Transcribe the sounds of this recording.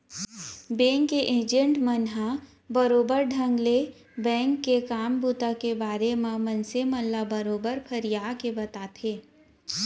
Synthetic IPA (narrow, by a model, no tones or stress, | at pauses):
bɛ̃ːŋkːeʔẽːd͡ʒə̃ɳʈmənɦa | bəɾoːbəɾɖʱɐ̃ŋɡle | bɛ̃ːŋkːekaːmbuːt̪akebaːɾemãmɐnseməlːabɐɾoːbəɾpʰɐɾijaːkebɐt̪aːt̪ʰeː